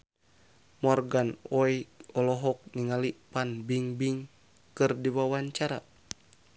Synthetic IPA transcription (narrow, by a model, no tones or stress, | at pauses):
mɔrɡanɔjɔlɔɦɔk̚niŋalipanbiŋbiŋ | kɨrdiwawaɲt͡ʃaɾa